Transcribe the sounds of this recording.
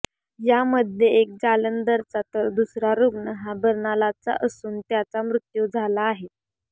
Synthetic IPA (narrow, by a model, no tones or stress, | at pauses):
jaməd̪ʱjeek̚d͡zalənd̪əɾt͡sat̪əɾd̪usɾaɾuɡnəɦabəɾnalat͡sa̰ʔəsuːnt̪jat͡samɾut̪jud͡zʱalaːɦe